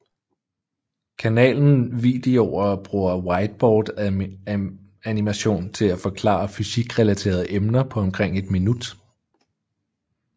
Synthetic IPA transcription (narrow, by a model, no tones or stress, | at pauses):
kʰænɛ̰ːln̩ʋḭːd̥eoʊɐɒb̥ʁuːɐwɑ̈ɪd̥̚b̥ɒːd̥ | ænimæɕo̝̰ːnt͡sʰe̝læfɒ̽kʰlɑ̰̈ɐfysiɡ̥ʁɛlæt͡sʰe̝̰ːɐð̞̩ˠəʔemnɐpʰɒ̽ɒ̽mkʰʁeŋ̰e̝d̥minud̥